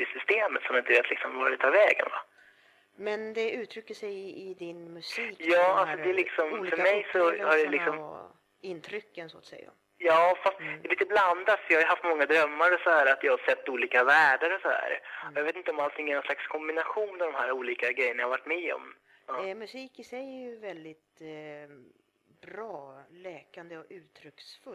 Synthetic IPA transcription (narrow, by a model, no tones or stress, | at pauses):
ɪsʏst̪eːmət̪sɔmjaɪnt̪əveːt̪lɪksɔmvaɖɛt̪ʰɑːɾvɛːɡə̰nva̰ | mɛnd̪ɛʉ̟ːt̪ʰɾʏkːəʂɛjɪd̪ɪnmʉsijɑːalsɔd̪ɛlɪksɔmffœɾmɛjsɔhaɖɛlɪksɔm | ɪnt̪ʰɾʏkːənsoːt̪sɛ̰jːa̰ | jɑːfast̪d̪ɛliːt̪əbland̪at̪sɔjɑːhajʏɦaft̪mɔŋːad̪ɾœmːaɾɔsɔhæːɾat̪jɑːhasɛt̪ːuːliːkavæːɖaɾɔsɔhæ̰ːɾɔjɑveːt̪ɪnt̪əɔmalt̪ʰɪŋːæɾnɔnslakskʰɔmbɪnaɧuːnmɛd̪ɔmhæːɾuːliːkaɡɾɛjːəɳahavaʈːmɛɔ̰mː | mɵsiːkɪsɛjɛjɵvɛld̪ɪt̪ | bɾɑːlɛːkand̪əɔʉ̟ːt̪ʰɾʏksfɵl